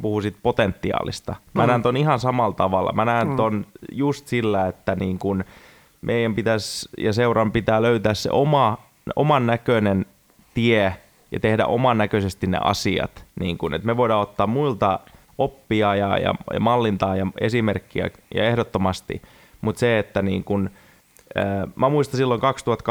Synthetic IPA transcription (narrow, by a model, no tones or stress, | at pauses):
puhusit̪̚pot̪ent̪ːiɑ̰ːlḭst̪ɑmænæːnt̪onihɑnsɑmɑlt̪ɑʋɑlːɑ̰mænæːnt̪onjust̪silːæet̪ːæniːŋkun | mʔeijæmpit̪æsjɑseurɑmpit̪æːløyt̪æːssḛʔomɑ | o̰mɑnːækønen | t̪ie | jɑ̰t̪ehdæ̰ʔo̰mɑnːækøsest̪innḛʔɑ̰siɑ̰t̪nḭːŋkunḛt̪meʋoidɑːot̪ːɑːmmuilt̪ɑ | opːiɑjɑjɑ̰jɑ̰mɑlːint̪ɑːjɑesimerkːiæ̰jɑ̰ehdot̪ːomɑst̪ḭ | mut̪seet̪ːænḭːŋkun | əːmæmuist̪ɑnsilːoŋkɑkst̪uhɑt̪k